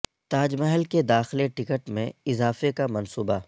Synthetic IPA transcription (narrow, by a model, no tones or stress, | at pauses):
t̪aːd͡ʒmɐɦəlked̪aːxleʈɪkəʈmḛ̃ɪzaːfekamɐnsuːba